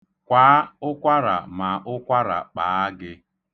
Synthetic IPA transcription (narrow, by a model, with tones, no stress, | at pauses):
kʷaː˨˦ʊ˦kʷa˦ɾa̰˨ma˨ʔʊ˦kʷa˦ɾa̰˨k͡pa˨a˦ɡɪ˦